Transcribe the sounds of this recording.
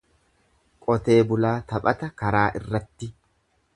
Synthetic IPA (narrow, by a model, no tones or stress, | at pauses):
kʼɔt̪eːbʊlaːt̪ɐpʼɐt̪ɐkɐɾaːʔɪrːɐt̪ːɪ